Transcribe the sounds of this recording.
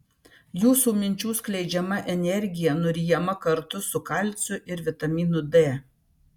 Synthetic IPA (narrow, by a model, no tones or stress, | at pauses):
juːsuːmʲɪnʲt͡ʃʲuːsklʲɛɪd͡ʒʲɛmɐʔɛnʲɛɾʲɡʲɪjɛnʊɾʲiːjɛmɐkɐɾt̪ʊsʊkɐlʲˑt̪sʲʊʔɪɾʋʲɪt̪ɐmʲiːnʊd̪eː